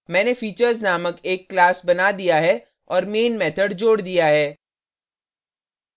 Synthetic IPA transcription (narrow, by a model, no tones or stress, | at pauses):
mɛ̃ːnefiːt͡ʃəɾznaːməkeːkːlaːsbɐnad̪ijaɦɛ | ɔːɾmeːnmɛːt̪ʰəɖd͡ʒoːɽd̪ijaɦɛː